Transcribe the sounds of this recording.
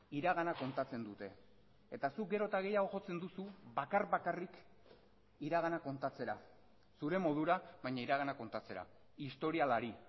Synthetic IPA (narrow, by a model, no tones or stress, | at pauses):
iɾaɣanako̞nt̪at͡se̞nd̪ut̪e̞ | et̪asuk̚ɡe̞ɾo̞t̪aɣe̞jaɣ̞o̞ʝo̞t͡se̞nd̪usuβakarβakarik | iɾaɣ̞anako̞nt̪at͡se̞ɾa | suɾe̞mo̞ð̞uɾaβajɲaiɾaɣ̞anako̞nt̪at͡se̞ɾa̰ | ist̪o̞ɾialaɾi